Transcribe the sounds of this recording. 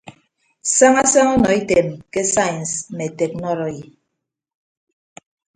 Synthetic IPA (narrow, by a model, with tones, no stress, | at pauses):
sa˦ŋa˦sa˦ŋɔ˦nɔ˨i˦te˨mke˦sa˦jns̩˦me˨te˨k̚nɔ˦ɾɔ˨ji˨